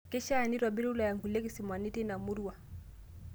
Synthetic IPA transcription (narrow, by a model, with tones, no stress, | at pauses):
kɛ˦ʃaː˦˨ni˦ɾwa˨ɓi˦ɾu˦la˨ja˨ŋɡu˨le˦ki˦si˨mwa˨ni˦ti˦na˨mu˦ɾuwa˨